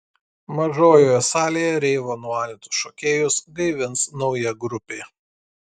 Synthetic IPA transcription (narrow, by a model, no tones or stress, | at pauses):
mɐʒoːjoːjɛsɑːlʲejɛɾʲɛɪʋoːnuɑːlʲɪt̪ʲʊ̥sʃoːkʲeːjʊsɡɐɪʋʲɪnsnɔʊjɛɡɾʊpʲeː